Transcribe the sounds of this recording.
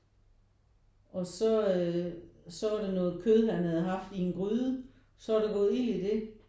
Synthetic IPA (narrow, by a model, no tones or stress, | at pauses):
ɒ̽sɒ̽ | sɒ̽æɐɾenɔ̽ːð̞̩ˠkʰøðˠɦænhæð̞ˠɦɑ̈fd̥ienɡ̥ʁyːðˠə | sɒ̽ɑɾ̥eɡ̥ɔ̽ːð̩ˠil̰id̥e̝